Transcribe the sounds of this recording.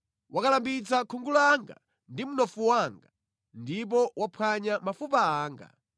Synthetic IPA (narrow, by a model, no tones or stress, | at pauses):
wakalambit͡sakʰuŋɡulɔaŋɡa̰ | ndimunɔfuwaŋɡa | ndip̬ɔwapʰwaɲamafupaaːŋɡa̰